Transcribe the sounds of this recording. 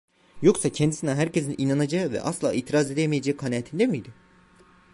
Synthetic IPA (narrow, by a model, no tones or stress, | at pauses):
jo̞ksacʰɛnd̪isinɛɦæɾcezinʔinanad͡ʒaɯvɛ̰ʔaslˠa̰ːiːt̪ʰiɾaze̞d̪ejmejed͡ʒɛkʰanaːt̪ʰind̪emijd̪ɪ